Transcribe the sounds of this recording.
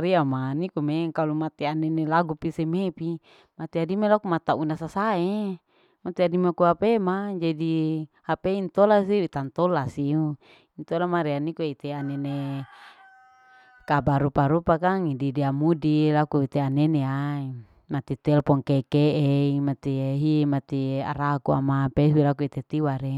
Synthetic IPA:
ɾiamanikumeŋkalumat̪ianenelaɡupisemepi | mat̪iadimelakumat̪aunasasae | mat̪iadimakuapemad͡ʒadihapeint̪olasiit̪ant̪olasiu | int̪olamaɾeanikueit̪eanene | kabaɾupaɾupakaŋididiamudilakuit̪eaneneai | mat̪it̪ɛlpɔŋkekeeimat̪iɦimat̪ia̰ɾakua̰mapesilakuit̪et̪iwaɾe

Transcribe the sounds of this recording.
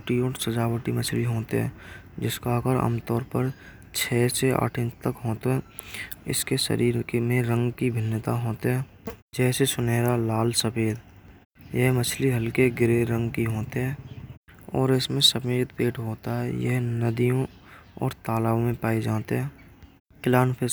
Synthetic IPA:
ʈiɔːɾsəd͡ʒaːwəʈimət͡ʃʰliɦoːt̪ɦɛ̰̃ːd͡ʒɪskaːkəɾə̰mt̪ɔːɾpəɾ | t͡ʃʰɛːsea̰ːʈʰə̃nt͡ʃt̪əkɦoːt̪oɦɛːɪ̰skesə̰ɾiːɾkmẽɾə̃ŋɡkibʱɪnːət̪aɦoːt̪ɦɛː | d͡ʒɛːsesʊneːɾalaːlsəpeːd̪ | jəɦmət͡ʃʰliɦəlkeɡɪɾeɾə̃ŋɡkiɦoːt̪eɦɛ̃ː | ɔ̰ːɾɪsmẽsəpeːd̪peːʈɦoːt̪aɦɛjə̰ɦnəd̪ijõ | ɔ̰ːɾt̪aːlaːʋõmẽpaːed͡ʒaːt̪eɦɛ̃ː | kɪlaːnpʰe

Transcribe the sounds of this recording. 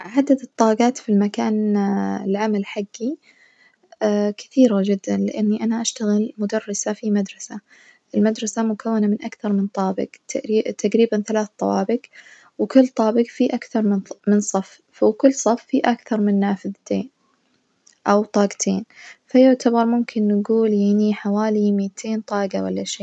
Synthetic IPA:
ʕad̪ad̪ɨt̪ˤːɑːɡɑːt̪filmakaːnɪlʕamalħaɡːi | kɪ̥θiːɾad͡ʒɪd̪ːanlɪʔanːiʔanaʔaʃt̪aɣɪlmʊd̪ɑrˤːɑsafimad̪ɾˤɑsa | ʔɪlmad̪ɾˤɑsamʊkʰawːanamɪnʔakθɑɾˤmɪnt̪ˤɑːbɪ̰ɡt̪ːt̪ʰaqɾiːbanθalaːθt̪ˤɑwɑːbɪɡ | wkʊlːt̪ˤɑːbɪqfiʔakθɑɾˤmnmɪnsˤɑf | wkʊlːsˤɑfːiʔakθɑɾˤmɪnːaːfɪðt̪ḛːn | ʔawt̪ˤɑːɡt̪ʰeːnfajʊʕt̪ʰabɑɾˤmʊmkʰɪnːaɡuːljaniħawaːlimiːt̪ʰeːnt̪ˤɑːʔɡawa̰lːaʃeː

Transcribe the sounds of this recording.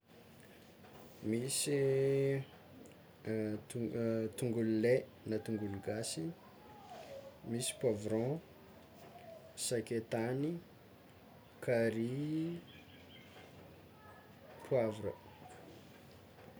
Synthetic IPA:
misi | t̪uŋɡulle | nat̪uŋɡuliɡasi | misi̥pwavɾɔ̃ | saket̪ani | kaɾi | pʰwavɾə̰

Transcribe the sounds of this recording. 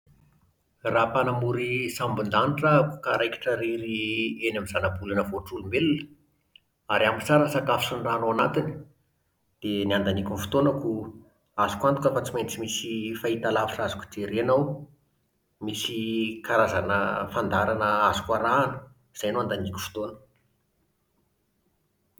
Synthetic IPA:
raːpanamuɾisambund̪aniʈ͡ʂəkukaɾajkʲi̥ʈ͡ʂəɾiɾienamizanabulanəvoʈ͡ʂulumelunə̥ | aɾiamit͡saɾənsakafisunraːnoanat̪ini̥ | d̪̥eniand̪anikʲunfu̥t̪onaku | azukʷant̪u̥kʲafat͡siment͡simisifait̪alafiʈ͡ʂazuku̥d͡zeɾeanaw | misikaɾazanə̰fand̪aɾanəazu̥kaɾaːnə | z̥ajnoand̪anikʲu̥fu̥t̪onə̥k

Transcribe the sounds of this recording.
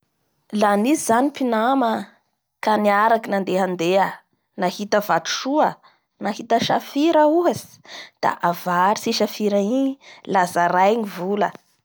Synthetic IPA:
lanizizanipinamə | kaniaɾakinand̪eɦand̪eə | nahit̪əvat̪u̥ʃuə | nahit̪əʃafiɾəuɦasi̥ | d̪̥a̰ʔavaɾisiʃafiɾailazaɾajɲivulə

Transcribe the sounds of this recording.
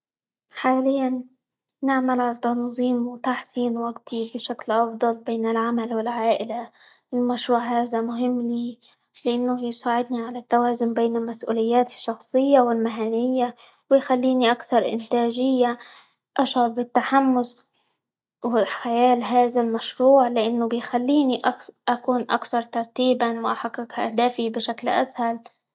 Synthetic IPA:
ħaːlɪjːanː | ɪʕmalʕalat̪ɑnzˤiːmwɪt̪aħsiːnwaɡt̪ʰibɪʃaklʔɑfd̪ˤɑlbeːnɪlʕamalwɪlʕaːʔɪlaɪlmaʃɾuːʕhaːðamʊɦɪmːliː | lɪʔanːʊjsˤaːʕɪd̪niʕalat̪ːawaːzʊnbeːnɪlmasʔṵːlɪjːaːt̪ɪ̥ʃːɑxsˤɨjːawɪlmɪɦanɪjːawɪjxalːiːniʔakθɑɾˤʔɪ̰nt̪aːʒɪjːa | ʔaʃɑbɪt̪ːaħamːʊs | wɪxajaːlɦaːzalmaʃɾuːʕlɪʔanːʊbɪjxalːiːniʔaʔakuːnʔa̰kθɑɾˤt̪ɑɾˤt̪iːbanwɪʔaħaqːɪkha̰hd̪aːfibɪʃaklʔa̰shal

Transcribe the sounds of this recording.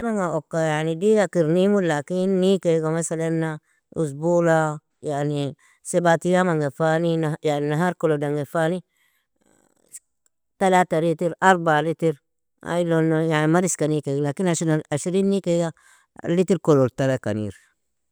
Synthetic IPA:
maŋɡaʔokːajaʕnidiɡakiɾnimulakinːikeɡamasalanːa | ʔus̬bula | jaʕni | sebat̪ijamaŋɡafaninajaʕninaɦaːɾkolodaŋɡefani | t̪alaːt̪alit̪iɾʔaɾˤbalit̪iɾ | a̰lonojaʕnimaɾiskanikeɡlakinaʃaʃɾiːnːikeɡa | lit̪iɾkololt̪alaka̰nḭːɾ

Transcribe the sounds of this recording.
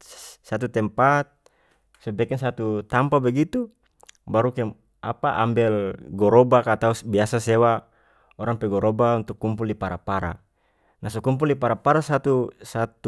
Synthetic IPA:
sat̪̬ut̪ɛmpat̪̚ | sobɛkɛnsat̪ut̪ampabɛɡit̪u | baɾukɛ | apaʔa̰mbɛlɡɔɾobakat̪ausbiasasewa | oɾaŋpɛɡɔɾobaunt̪ukːumpuldipaɾapaɾa̰ | nasokump̬ulipaɾapaɾasat̪usat̪u

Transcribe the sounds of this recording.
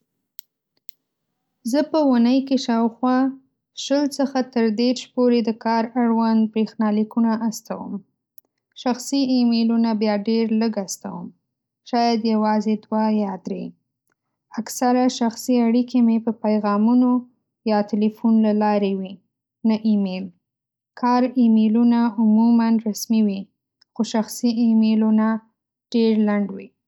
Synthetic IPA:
zəpəwunəjkeʃɑwxwɑ | ʃəlt͡səxat̪əɾd̪eɾʃpoɾed̪əkɑɾaɽwand̪̚pɾexnɑlikunaʔast̪awə̰m | ʃaxsiemelunabjɑɖeɾləɡast̪awəm | ʃɑjad̪jawɑzed̪wajɑd̪ɾe | aksaɾaʃaxsiaɽikʰemepəpajɣɑmuno | jɑt̪ɪlifunlalɑɾewi | naʔimel | kʰɑɾimelunaʊmumanɾasmiwi | xoʃaxsiimeluna | ɖ̥eɾlaɳɖwi

